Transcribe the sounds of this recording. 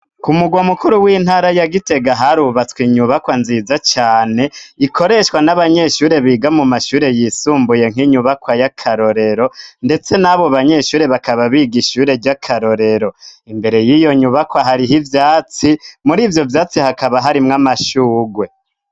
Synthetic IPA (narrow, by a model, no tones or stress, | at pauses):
kumuɡwamukuɾuwiːn̥haɾajaɡite̞ɡaɦaɾuβat͡swiɲuβakwanzizat͡ʃaːne̞ikʰo̞ɾe̞ʃkwanaβaɲe̞ʃuːɾe̞βiːɡamumaʃuːɾe̞jisuːmbuje̞ŋ̥iɲuβakwajakʰaɾo̞ɾe̞ɾo̞nde̞t͡se̞naβo̞βaɲe̞ʃuːɾe̞βakaβaβiɡiʃuːɾe̞ɾɟakʰaɾo̞ɾe̞ɾo̞imbe̞ɾe̞jijo̞ɲuβakwaɦaɾiɦivjaːt͡simuɾiːvjo̞vjaːt͡sihakaβaɦaɾimŋamaʃuːɡwe̞